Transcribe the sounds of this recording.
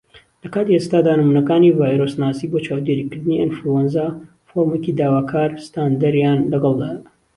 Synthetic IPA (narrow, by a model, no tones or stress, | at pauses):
lɐkaːt̪iest̪aːd̪aːnɨmuːnɐkaːnivaːjɾosnaːsiboːt͡ʃaːwd̪eɾikɨɾd̪ɨniʔɐnfɾuwɐnza | foɾmecid̪aːwaːkʰaːɾst̪aːnd̪ɐɾjaːnlɐɡɐlˠd̪a